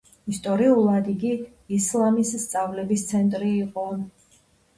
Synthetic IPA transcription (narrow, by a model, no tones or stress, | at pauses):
ist̪ʼɔɾiulˠad̪iɡiː | slˠamisːt̪sʼavlɛbist̪sʰɛnt̪ʼɾiːqʼɔ